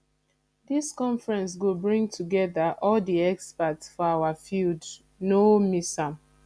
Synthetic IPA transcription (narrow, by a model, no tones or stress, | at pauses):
diskɔ̃ɱfɹɛ̃ns̬ɡobɹĩŋtʰuɡɛðaʔɔldiɛkspatsfɔawafild | nomisãm